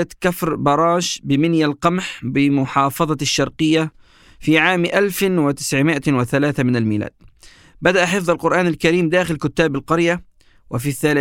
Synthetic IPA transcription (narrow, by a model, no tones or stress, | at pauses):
at̪kafɾbɑɾˤɑːʃbɪmɪnjalqɑmħbɪmʊħɑːfɑðˤɑʃːɑɾˤqɨjːa | fiʕaːmʔalfwɪt̪ɪ̥sʕmɪʔawɪθalaːθamɪnalmiːla̰ːd̪̥̚ | bad̪aʔaħɪfðˤɑlqʊɾʔaːnalkaɾiːmd̪aːxɪlkʊt̪ːaːbalqɑɾja | wɪfiθːalɪ